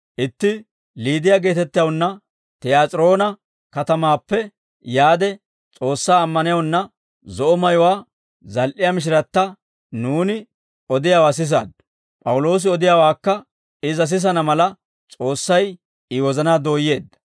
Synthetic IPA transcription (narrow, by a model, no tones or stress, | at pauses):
ʔɪt̪ːɪ | liːd̪ɪjaːɡe̞ːt̪ɛt̪ːɪjɐwnːɐ | t̪ɛjaːt͡sʼɾo̞ːnɐ | kɐt̪ɐmaːpːɛ | jaːd̪ɛ | t͡sʼo̞ːsːaːmːɐnɪjɐwnːɐ | zɔʔɔmɐjɔwaː | zɐlʔɪjɐmɪʃ̬ɪɾɐt̪ːɐ | nuːnɪ | ɔd̪ɪjawas̬ɪs̬a̰ːd̪ | pʼɐwʊlo̞ːs̬ɪɔd̪ɪjaːwaːkːɐ | ɪzɐs̬ɪs̬ɐnɐmɐlɐ | t͡sʼo̞ːsːɐj | ɪwɔzɐnaːd̪o̞ːjːe̞ːd̪ːɐ